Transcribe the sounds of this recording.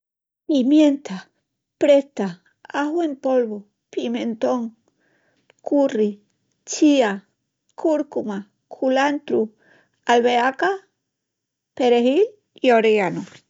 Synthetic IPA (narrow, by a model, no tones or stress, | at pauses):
pimjent̪a | pɾest̪a | aɦwempolβo | pimẽnt̪oŋ | kuri | t͡ʃia | kʰuɾkuma | kʰulant̪ɾu | alβeaka | peɾeɦil | ioɾeano